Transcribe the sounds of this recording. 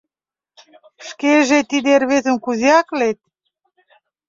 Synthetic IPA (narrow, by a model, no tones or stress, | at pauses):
ʃkeʒet̪id̪erβezə̆nkuziɑklet̪̚